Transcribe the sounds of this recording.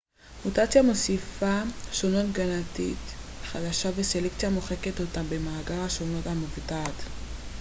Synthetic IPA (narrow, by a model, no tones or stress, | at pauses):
mutat͡sjamo̞sifaʃono̞tɡanatḭtχadaʃavese̞lekt͡sijamo̞χeketotabemaːɡaʁaʃo̞no̞thamuvtat